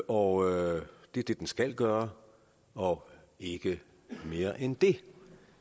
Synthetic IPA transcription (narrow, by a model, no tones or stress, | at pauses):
ɒ | d̥e̝ɐd̥e̝d̥ensɡ̥æl̰ɡ̥ɶːɐ | ɒ̽ | e̝ɡ̥ə | me̝ːɐʔend̥e̝